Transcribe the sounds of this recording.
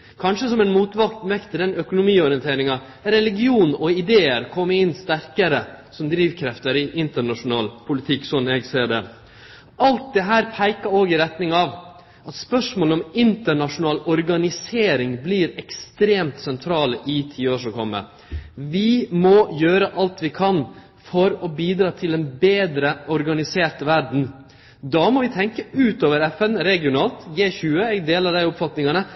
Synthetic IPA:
kʰɑnʂəsɔmɛnmuːt̪ʋɑkt̪mɛkt̪ʰːɪd̪ɛnœkʊnʊmiːɔɾɪənt̪ʰeːɾɪŋɑ | ɾɛlɪɡɪuːnɔɪd̪eːəɾkʰɔmːəɪnːst̪æɾkəɾəsɔmd̪ɾiːʋkʰɾɛft̪əɾɪʔɪnt̪əɳɑʂʊnɑːlpʰʊlɪt̪ʰɪkːsɔnːɛɡseːɖɛ | ʔɑlt̪̚d̪ɛɦæːɾpʰæɪkɑoːɡɪɾɛt̪nɪŋɑʋ | ɑt̪spœʂmoːləɔmɪnt̪əɳɑʂʊnɑːlɔɾɡɑnɪseːɾɪŋbliːɾɛkst̪ɾeːmt̪sɛnt̪ʰɾɑːləʔɪt̪ʰiːoːʂɔkʰɔmːə̰ | ʋɪmɔjøːɾəʔɑlt̪ʋɪkʰɑn | fɔɾɔbiːd̪ɾɑːt̪ʰɪlɛnbeːd̪ɾəɔɾɡɑnɪseːʈəʋæɖɳ̩ | d̪ɑːmɔʋɪt̪ʰɛŋkəʉːt̪oːʋəɾɛfɛnɾɛɡɪʊnɑːlt̪ɡeːçʉːəɛɡd̪eːlɑd̪æɪʊpfɑt̪nɪŋɑnə

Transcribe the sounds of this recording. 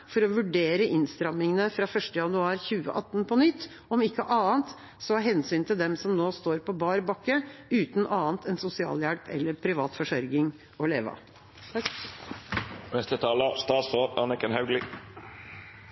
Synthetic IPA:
fɔɾɔʋʉɖeːɾəʔɪnst̪ɾɑmːɪŋənəfɾɑːfœʂʈəjɑnʉɑːɾçʉːə̰ʔɑt̪ːnpʰɔnʏt̪ː | ɔmɪkːəʔɑːənt̪ | sɔɑɦɛnsyːnt̪ʰɪld̪ɛmsɔmnoːst̪oːɾpɔbɑːɾbɑkːəʉːt̪nʔɑːənt̪ʰɛnsʊsɪɑ̰ːljæɽpʰɛ̰lːəɾpʰɾɪʋɑːt̪fɔʂœɾɡɪŋ | ɔleːʋɑ̰ | nɛst̪ət̪ʰɑːləst̪ɑːsoːɾɑ̰nəkənhɑʉɡlɪ

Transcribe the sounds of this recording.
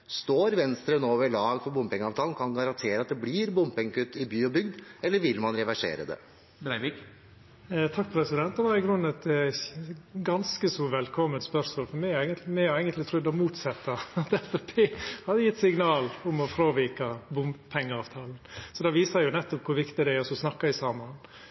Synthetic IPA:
st̪oːɾʋɛnst̪ɾənoːʋəɭɑːɡfɔɾbʊmpɪŋɑːʋt̪ʰɑːln̩kʰɑnɡɑɾɑnt̪ʰeːɾəɑt̪̚d̪ɛblɪɾbʊmpɪŋkʰʉt̪ːɪbyːɔbʏɡd̪ɛlːəʋɪlmɑnɾɛʋæʂḛːɾə̰d̪ɛ̰ | bɾæɪʋɪk | t̪ʰɑk̚ːpɾɛsɪd̪ɛnt̪d̪ɛʋɑɾɪɡɾʉnːɛt̪ | ɡɑnskəsɔʋɛlkʰɔmːənt̪spœɾsmoːlfɔɾmɛɛɡənt̪mɛhɑɾɛɪɡənt̪lɪt̪ʰɾʉd̪ːɔmuːt̪sɛt̪ːɑɑt̪ɛfɛpʰeːhɑd̪əjɪt̪ːsɪŋnɑːlʊmɔfɾoːʋiːkɑbʊmbpʰɛŋːəɑːʋt̪ʰɑːln̩sɔd̪ɑʋiːsɑjʊnɛt̪ːɔp̚kʰʊɾʋɪkt̪ɪd̪ɛæɔsɔsnɑkːɑɪsɑːmɑn

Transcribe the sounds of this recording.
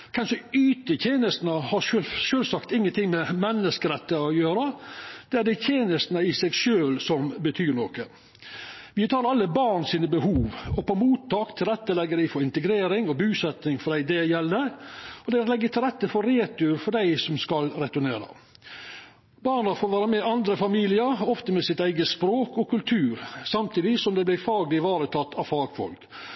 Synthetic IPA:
kʰɛnsɔyːt̪ət̪ʰeːnəst̪nəhɑʂøʃøːlsɑkt̪ɪŋːənt̪ʰɪŋmɛmɛnːəskəɾɛt̪ːəɑjøːɾəd̪̥ɛæɖɛɪt̪ʰeːnəst̪nəɪsɛɡʂøːlsɔmbət̪ʰyːɳoːkə | ʋɪt̪ʰɑːɾɑlːəbɑːɳsiːnəbəhuːʋɔpʰɔmuːt̪ʰːɑːkt̪ʰɪlɾɛt̪ːəlɛɡːəɾd̪ɪfɔɾɪnt̪əɡɾeːɾɪŋɔbʉːsɛt̪nɪŋfɔɖ̪æɪd̪ɛjɛlːəɾɔd̪ɛlɛɡːət̪ʰɪlɾɛt̪ːəfɔɾeːt̪ʉɾfɔɖæɪsɔmskɑlɾɛt̪ʉɳeːɾɑ̰ | bɑːɳɑfoːʋæːɾəmɛʔɑnd̪ɾəfɑmiːlɪəɾɔft̪əmɛsɪt̪æɪɡəspɾoːkɔkʉlt̪ʰʉːɾsɑmt̪ʰiːd̪ɪsɔmd̪ɛblæɪfɑːɡlɪʋɑːɾət̪ʰɑt̪ːɑʋfɑːɡfɔ̰lk

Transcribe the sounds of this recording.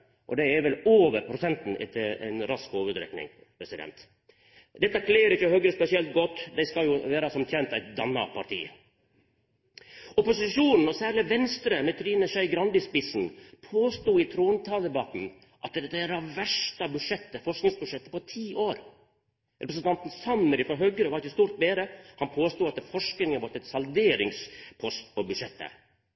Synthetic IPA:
ʔɔ̰d̪ɛæɾʋɛloːʋəɾpʰɾʊsɛnt̪n̩ʔɛ̰t̪ʰːəæ̰ɪnɾɑskhoːʋəd̪ɾɛ̰knɪ̰ŋ | pʰɾɛsɪd̪ɛ̰nt̪ | d̪ɛt̪ːɑkʰleːɾɪçːəhœɡɾəspɛsɪɛlt̪̚ɡɔt̪ːd̪æɪskɑljʊʋeːɾɑsɔmt̪jɛnt̪æɪt̪̚d̪ɑnːɑ̰pʰɑɾʈʰḭː | ɔpʊsɪʃuːnn̩ɔsæːɾɭɪʋɛnst̪ɾəmɛt̪ʰɾiːnəʃœɪɡɾɑnd̪ɪspɪsn̩pʰoːst̪uːɪt̪ʰɾuːnt̪ʰɑːld̪ɛbɑt̪n̩ | ʔɑt̪ɛt̪ːæɾɑʋʋæʂʈɑbʉʂɛt̪ːəfɔʂknɪŋsbʉʂɛt̪ːə̥pɔt̪ʰiːʔoːɾ | ɾʔɛpɾəsən̩t̪ɑnt̪n̩sɑnːəɾɪfɾɔɦœɡəɾəʋɑɾɪçəst̪uːɾt̪̚beːɾəhɑnpʰoːst̪uːɑt̪̚ɛfɔʂknɪŋənʋɔt̪ːɛt̪sɑld̪eːɾɪŋspʰɔst̪pʰɔbʉdʂɛt̪ːə̰

